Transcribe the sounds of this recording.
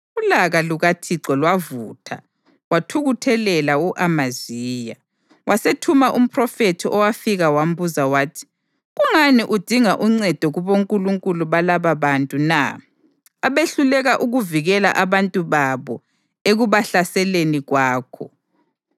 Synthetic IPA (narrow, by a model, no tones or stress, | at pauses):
ulaɣaluɣatʰiǀɔlwavuːtʰa̰ | watʰuɣutʰɛlɛlauʔamaziːja | wʔasetʰumaʔum̩pʰʼrɔfetʰiʔɔwafiɣawam̩buzawaːtʰi̥ | ɣuŋaniʔud̥ʱiŋaʔuŋ͡ǀɛd̥ʱɔɣuβoŋkʼuluŋkʼuluβalaβaβantʼuna̰ | aβeɬulɛɣaʔuɣuviɣɛla̰ʔaβantʼuβaβɔ | eɣuβaɬasɛleniɣwaːkʰɔ